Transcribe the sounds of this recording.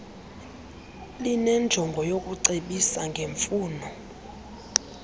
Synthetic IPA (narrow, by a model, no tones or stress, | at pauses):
linɛnd͡ʒʱɔŋɡʱɔjok̬ʼuǀeɓisaŋɡʱeɱfuːnɔ